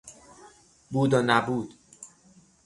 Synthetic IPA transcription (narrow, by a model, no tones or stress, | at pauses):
buːd̪ɒːnæbuːd̪̥